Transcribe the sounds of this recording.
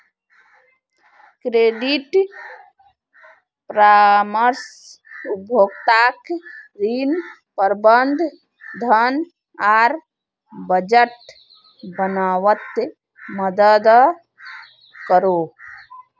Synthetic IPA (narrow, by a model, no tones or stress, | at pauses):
kɾeɖiʈ | pɾaməɾs | ubʱjoːɡt̪akɾin | pəɾbənd̪ʱ | d̪ʱən | aːɾ | bəd͡ʒəʈ | bənaːwət̪ | məd̪əd̪ | kəɾo